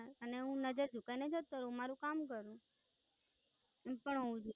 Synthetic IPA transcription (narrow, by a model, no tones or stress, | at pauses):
əneɦũnəd͡ʒəɾd͡ʒukainəd͡ʒət̪̚kəɾũmaɾũkamkəɾũ | ɛmpəɳɦoũd͡ʒ